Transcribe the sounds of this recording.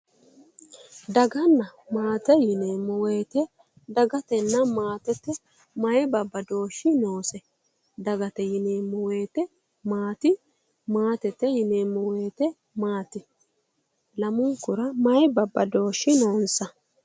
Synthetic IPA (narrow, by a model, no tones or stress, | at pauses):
d̪ɐɡɐnːɐmaːt̪ɛjɪneːmːɔweːt̪ɛ | d̪ɐɡɐt̪ɛnːɐmaːt̪ɛt̪ːɛ | mɐjɛbɐbːɐd̪o̞ːʃːɪno̞ːsɛ | d̪ɐɡɐt̪ɛjɪneːmːɔweːt̪ɛ | maːt̪ɪ | maːt̪ɛt̪ːɛjɪneːmːɔweːt̪ɛ | maːt̪ɪ | lɐmʊŋkʊɾɐmɐjɛbɐbːɐd̪o̞ːʃːɪnoːnsɐ